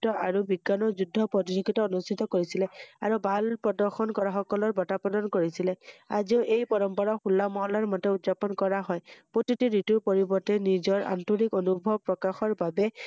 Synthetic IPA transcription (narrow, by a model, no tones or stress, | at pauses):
tɔaɹubiɡanɔzudʱːɔpɔtizoɡitɔonustʰit̪ɔkoɹisilɛaɹubʱalpɹɔdɔɹxɔnkɔɹaxɔkɔlɔɹbɔtapɔdɔnkoɹisilɛa̰ziʊʔejpɔɹɔmpɔɹaxulːamɔɦɔlaɹmɔtɛutzapɔnkɔɹaɦɔjpotitiɹituɹpɔɹibɔɹtɛnizɔɹa̰ntunikonubʱɔb̚pɹɔkaxɔɹbabɛ